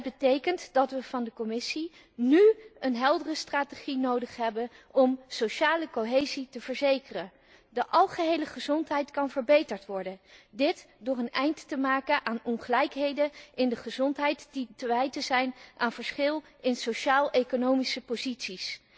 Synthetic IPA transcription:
d̚bətejkəntdɑtʋəv̥ɑndəkɔmɪsi | nyənɦɛlˠdərəstraːteχinowdəχɦɛbən | ɔmsoʃaːləkoɦejzitəvəɹzejkərən | dəʔɑlˠχəɦejləχəzɔntɦɛjtkɑnvəɹbejtəɹtʋɔɹdəndɪtdʊːrənɛjndtəmaːkənʔaːnɔŋχəlɛjkɦejdəʔɪndəχəzɔntɦɛjtd̥itəʋɛjtəzɛjnʔaːnv̥əɹsχɪlˠ | ɪnsoʃaːlˠejkonowmisəpozitsis

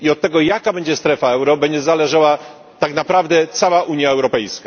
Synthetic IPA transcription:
iɔt̪̚ːɛɡɔjakabɛɲd͡ʑɛst̪ɾɛfaɛwɾɔbɛɲd͡ʑɛzalɛʐawa | t̪aknapɾavd̪ɛt̪sawaʔuɲjaɛwɾɔpɛjska

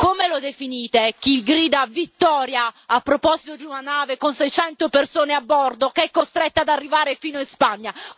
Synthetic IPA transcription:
komelod̪efiniːt̪ek̟iɡɾiːd̪avit̪ːɔːɾjaapːɾopɔzit̪od̪iunanaːvekonsɛjt͡ʃɛnt̪opersoːneabːɔrd̪okeɛkːost̪ɾɛt̪ːad̪arːivaːɾefiːnoispaɲːa

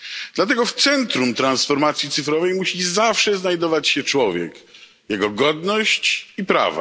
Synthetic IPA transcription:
d̪lat̪ɛɡɔft̪sɛnt̪ɾumt̪ɾansfɔɾmat̪sʲjit̪sɘfɾɔvɛjmuɕizafʂɛznajd̪ɔvat͡ɕɕɛt͡ʂwɔvʲjɛ̰k | jɛɡɔɡɔd̪nɔɕt͡ɕipɾa̰va̰

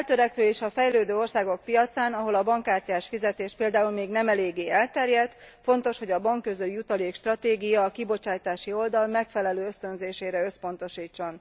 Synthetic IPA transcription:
ɛlt̪øɾɛkʋøːeːʃɒfɛjløːd̪øːo̞rsaːɡo̞k̚pijɒt̪saːnɒɦo̞lɒbɒŋkaːrcaːʃfizɛt̪eːʃpeːld̪aːulmeːɡnɛmɛleːɡːeːɛlt̪ɛrjɛt̪fo̞n̪t̪o̞ʃho̞ɟɒbɒŋkːøzølijut̪ɒlieːkʃt̪rɒt̪eːɡijɒːkibo̞t͡ʃaːjt̪aːʃio̞ld̪ɒlmɛkfɛlɛløːøst̪ø̞nzeːʃeːɾɛø̞spo̞n̪t̪o̞ʃiːt͡ʃːo̞n

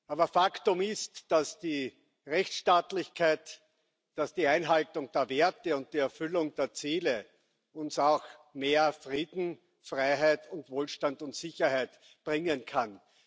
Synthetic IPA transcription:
ʔaːbɐfaktʊmɪstd̥asd̥iː | ʁɛçtʃtaːtlɪçkʰæɪt | d̥asd̥iːæɪnɦaltʊŋd̥eːɐveɐtəʊnt̚d̥iɛɐfʏlʊŋdeːɐt͡siːlə | ʊnsaʊxmeːɐfʁiːdn̩ | fʁaɪɦæɪtʰʊntvoːlʃtandʊntsɪçɐhæɪt | b̥ʁɪŋənkʰan

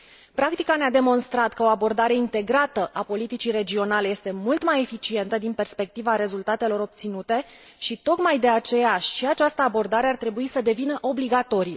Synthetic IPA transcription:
pɾak̚t̪ikanead̪e̞mo̞nst̪ɾat̪kəo̞abo̞rd̪aɾe̞int̪e̞ɡɾat̪əʔapo̞lit̪it͡ʃire̞d͡ʒio̞nale̞je̞st̪e̞mult̪maje̞fit͡ʃie̞n̪t̪əd̪inpe̞rspe̞k̚t̪ivaɾe̞zult̪at̪e̞lo̞ɾo̞p̚t̪sinut̪e̞ | ʃit̪o̞kmajd̪e̞at͡ʃe̞jaʃiat͡ʃast̪əabo̞rd̪aɾe̞art̪ɾe̞buisəd̪e̞vinəʔo̞bliɡat̪o̞ɾi

